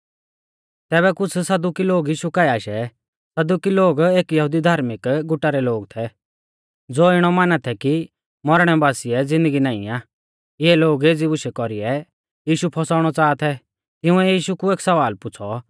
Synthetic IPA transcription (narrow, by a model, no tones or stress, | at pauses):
t̪ɛːβɛkʊt͡sʰsɐd̪ukiloːɡjiːʃukaːjaːʃɛ | sɐd̪ukiloːɡeːkjɐɦʊd̪id̪ʱaːɾmɪkɡʊʈːaɾɛloːɡt̪ʰɛ | d͡zoːɪɽ̃ɔmanat̪ʰɛki | mɔɾɽ̃ɛbaːsiɛd͡zɪ̃nd̪əɡinaːɪ̰̃aː | ɪɛloːɡeːd͡zibʊʃɛkɔɾiɛ | jiːʃupʰɔsaːʊɽ̃ɔt͡saːt̪ʰɛ | t̪ɪʊ̃ɛjiːʃukueːksɐʋaːlpʊt͡sʰɔ